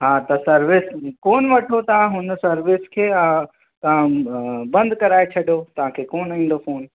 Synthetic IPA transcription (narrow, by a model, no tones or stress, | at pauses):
ɦãːt̪ɐsɐɾʋɪskoːnʋɐʈʰot̪ɐʋãɦʊnsɐɾʋɪskʰeːa | t̪ɐʋ̤ãbɐ̃nd̪ʱkɐɾaːet͡ɕʰɐɗjot̪ɐʋ̤ãkʰeːkoːnĩːn̆d̪ofoːn